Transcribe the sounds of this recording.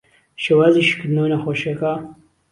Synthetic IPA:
ʃeːwaːziʃi̥kɨd̪nɐwenɐxoʃɐkɐ

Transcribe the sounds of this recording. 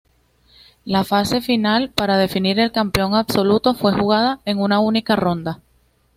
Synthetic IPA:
lafase̞finalpaɾaðe̞finiɾe̞lkampeo̞ŋaβso̞lut̪o̞fwe̞xuɣað̞ae̞ŋunaunikaro̞nd̪a

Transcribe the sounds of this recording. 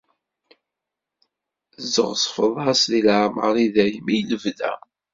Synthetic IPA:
zəʁsˤfəðˤsðiləʕmə̰ɾˤiðæjmijləvðæ̰

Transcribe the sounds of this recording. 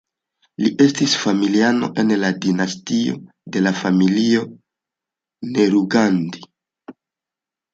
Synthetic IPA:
liʔe̞stisfamiliano̞̰ʔe̞nladinastio̞̰ | de̞lafamilio̞ | ne̞ɾuɡandi

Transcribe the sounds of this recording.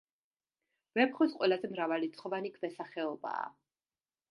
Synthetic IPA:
vɛpχwisqʼwɛlˠazɛmɾavalit̪sχɔvanikʰvɛsaχɛɔba̰ː

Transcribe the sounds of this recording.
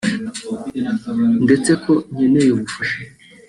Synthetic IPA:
nde̞t͡se̞kʰo̞ɲenejoβufaʃe̥

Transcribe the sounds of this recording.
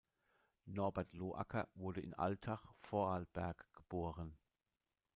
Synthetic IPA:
nɔɐbɛɐtloːʔa̰kʰɐvʊɐdəɪ̰nʔa̰ltʰaːχfɔɐaːlb̥ɛɐkɡ̥əb̥oːʁən

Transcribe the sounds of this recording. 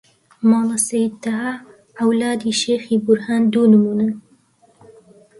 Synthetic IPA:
mɑːlasɐjid̪ːaɦaː | ʕɐwlaːd̪iːʃeːxiːbʊɾɦaːnd̪uːnɨmuːna

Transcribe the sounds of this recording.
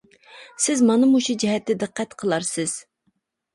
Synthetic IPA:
sɪzmɑnɨmuʃud͡ʒɛɦɛt̪ːɪd̪ɨqʰːɛt̪qʰəlˠɑɾsɨz̥

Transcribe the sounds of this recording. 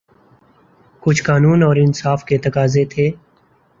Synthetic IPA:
kʊt͡ʃʰkaːnuːnɔːɾɪnsaːfket̪ɐkaːzet̪ʰeː

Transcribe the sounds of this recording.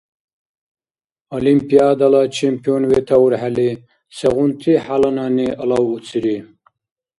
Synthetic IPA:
olimpijad̪alat͡ɕempijonwet̪ʰauɾhali | seɣunt̪ʰiħalananialawut͡siɾi

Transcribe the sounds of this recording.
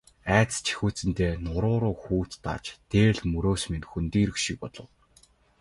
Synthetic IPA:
æːt͡s̪̆t͡ɕʰi̥xuːt͡sɘ̆nt̪eːnʊɾʊːɾʊːxuːt͡st̪a̰ːt͡ɕt̪eːrɮmɵɾoːsminxunt̪iːɾɵ̆kʃĭk̚pɔt̪ɞ̆w

